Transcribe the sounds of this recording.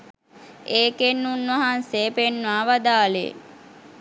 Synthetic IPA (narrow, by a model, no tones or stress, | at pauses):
eːkenːunʋaɦansepenːʋaːʋad̪aːlḛ